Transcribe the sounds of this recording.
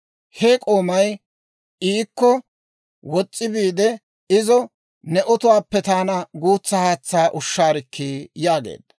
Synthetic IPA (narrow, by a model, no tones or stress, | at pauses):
hɛkʼo̞ːmɐj | iːkːɔ | wɔt͡sʼːɪbiːd̪ɛ | ɪzɔ | nɛʔɔt̪ʊwaːpːɛt̪aːnɐɡuːt͡sːɐhaːt͡sːaːʔʊʃːaːɾɪkʰːiːjaːɡḛːd̪̥